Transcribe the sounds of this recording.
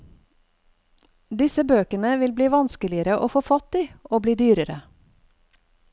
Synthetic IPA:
d̪ɪsəbøːkənəʋɪlbliːʋɑnskəlɪəɾəʔo̰ːfoːfɑt̪iːoːbliːd̪yːɾəɾə

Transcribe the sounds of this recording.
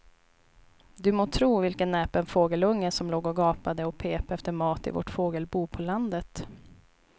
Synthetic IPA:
d̪ɵmoːt̪ʰɾuːvɪlkənːɛːpɛnfoːɡəlɵŋːəsɔmloːɡɔɡɑːpad̪əɔpʰeːpaɛft̪əɾmɑːt̪ɪ̰vɔ̰ʈfoːɡəlbuːpʰɔland̪ət̪

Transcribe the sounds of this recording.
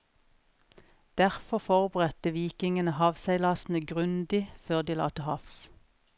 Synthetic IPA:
d̪̥æʁfɔfɔʁbəʁɛt̪əʋiːkɪŋənəhɑːʋsæɪlɑːsn̩əɡʁʉnd̪ɪføːʁd̪iːlɑ̰ːt̪əhɑfs

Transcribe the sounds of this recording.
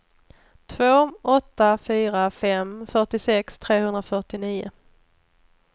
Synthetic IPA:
t̪ʰvoːɔt̪ːafyːɾafɛmfœʈɪsɛkst̪ʰɾeːhɵnd̪ɾafœʈɪniːʊ̰

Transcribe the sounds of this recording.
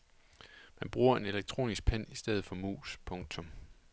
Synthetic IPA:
mænb̥ʁuːɐe̝ne̝leɡ̥̚t͡sʰʁo̝̰ːnisɡ̥̚pʰæn̰isd̥eð̩ˠfɒ̽mṵːspʰɔ̽ŋt͡sʰɔ̽m

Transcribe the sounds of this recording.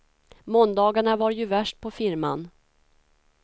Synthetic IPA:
mɔnd̪ɑːɡaɳavaɾjɵvæʂʈ̚pʰɔfɪɾma̰n

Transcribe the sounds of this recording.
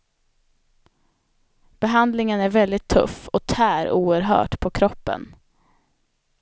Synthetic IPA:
b̥ɛɦand̪lɪŋənæɾvɛld̪ɪt̪ʰːɵ̰fɔt̪ʰæːɾuːəɾɦœ̰ːʈpʰɔkʰɾɔpːə̰n

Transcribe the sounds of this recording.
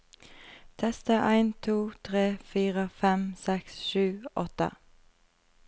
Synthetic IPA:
t̪ʰɛst̪əʔæɪnt̪ʰuːt̪ʰʁeːfiːʁəfɛmsɛksʃʉːʔɔt̪ə̰

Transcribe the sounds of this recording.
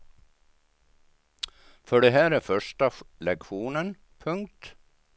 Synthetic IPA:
fœɖɛɦæːɾæɾfœʂʈalɛkɧuːnən | pʰɵŋk̚t̪

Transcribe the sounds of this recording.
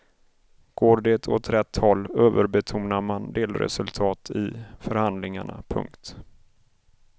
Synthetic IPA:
ɡ̥oːɖet̪ʰɔ̰t̪ɾɛt̪ːhɔlːøːvəɾbɛt̪ʰuːmnaɾmand̪eːlɾɛ̰sɵlt̪ʰɑːt̪ʰɪfœɾhand̪lɪŋaɳa̰pʰɵ̰ŋkt̪

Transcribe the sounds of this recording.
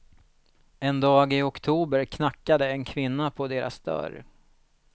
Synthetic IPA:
ɛnd̪ɑːɡɪɔkt̪ʰuːbəɾkʰnakːad̪əɛnkʰvɪnːapʰɔd̪eːɾa̰sd̪œ̰ɾ

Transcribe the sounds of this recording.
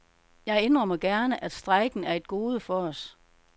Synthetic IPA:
jɑ̈ɪend̥ʁɐmɑɪɡ̥æɐnəʔæd̥sd̥ʁɑ̈ɪɡ̥n̩æɐe̝d̥ɡ̥o̝ːð̞ˠəfɒ̽ɒs

